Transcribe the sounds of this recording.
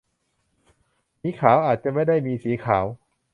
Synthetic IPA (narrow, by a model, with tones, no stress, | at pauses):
siː˨˦˥kʰaː˩˦wʔaː˨˩t̪̚t͡ɕa˨˩ma˥˩jda˥˩jmiː˧siː˩˦kʰaː˩˦w